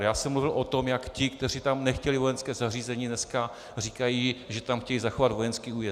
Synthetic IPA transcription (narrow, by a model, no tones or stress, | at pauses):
jaːsɛmluvɪlʔot̪o̞mjakcɪkt̪ɛriːt̪amnɛxcɛlɪvo̞jɛnskɛːzariːzɛɲinɛska | r̝iːkajiʒɛt̪amxcɛjiːzaxovad̪vo̞jɛnskiːuːjɛ